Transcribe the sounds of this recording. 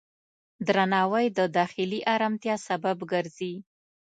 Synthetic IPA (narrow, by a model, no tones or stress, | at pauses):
d̪ɾanɑwajd̪əd̪ɑxɪliʔaɾamt̪jɑsababɡəɾzi